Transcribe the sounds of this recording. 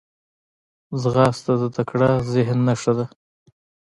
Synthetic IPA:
zɣɑst̪ad̪ət̪akɽɑzɪɦnːaʂad̪a

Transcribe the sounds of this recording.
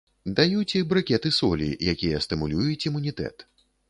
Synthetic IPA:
d̪ajut͡sʲibɾɨkʲɛt̪ɨsɔlʲḭjakʲijɐst̪ɨmulʲujut͡sʲimunʲit̪ɛ̰t̪

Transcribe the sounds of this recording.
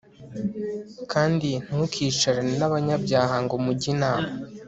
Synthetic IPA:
kʰaːndin̥hukʰiːt͡ʃaɾaninaβaɲabɟaːɦaŋɡo̞muɟinaːma

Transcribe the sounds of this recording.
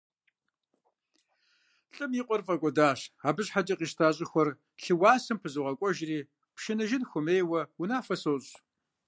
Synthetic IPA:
ɬʼɨmjiqʷʼɔrfʼɐkʷʼɔdaːɕaːbɨɕħad͡ʒʼɐqiːʃtʰaːɕʼɪxʷɔr | ɬɨwaːsɨmpʰɨzɨʁɐkʷʼɔʒriː | pʃɪnɨʒɪnxʷʊmeːjwɐwunaːfɐsoːɕʼ

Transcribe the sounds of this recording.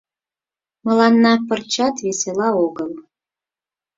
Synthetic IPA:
mə̆lɑnːɑpərt͡ɕɑt̪veselɑoɡəlˠ

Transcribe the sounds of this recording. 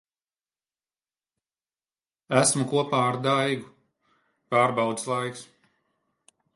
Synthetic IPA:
æsmukuɔpaːaɾd̪ajɡu | paːɾbɑwd̪zslˠajks

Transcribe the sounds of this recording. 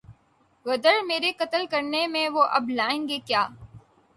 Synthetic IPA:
ɣəd̪əɽmeːɾekət̪əlkəɾnemẽʋoːʔɐblaːẽːŋɡeːkjaː

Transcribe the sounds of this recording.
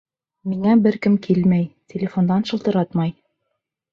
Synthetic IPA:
miŋæbɘɾkɘmkilmæjtʲʰelʲɪfo̞nd̪ɑnʃɤ̆lˠt̪ɤ̆ɾɑt̪mɑj

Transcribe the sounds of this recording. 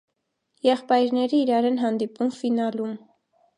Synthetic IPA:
jɛχpɑjɾnɛɾiːɾɑɾɛnɦɑnd̪ipumfinɑlum

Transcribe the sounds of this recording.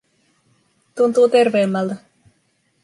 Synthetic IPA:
t̪unt̪uːt̪erʋeːmːɑlt̪a

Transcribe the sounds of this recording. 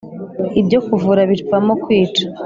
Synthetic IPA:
ibɟo̞kuvuɾaβiɾpamokwiːt͡ʃḁ

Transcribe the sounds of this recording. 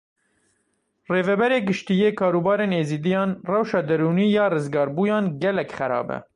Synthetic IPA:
reːvɛbɛɾeːɡɨʃt̪ijeːkʰɑːɾuːbɑːɾeːneːziːd̪ijɑːnrɛwʃɑːd̪ɛɾuːniːjɑːrɨzɡɑːɾbuːjɑːnɡɛlɛkχɛɾɑ̰ːbɛ̰

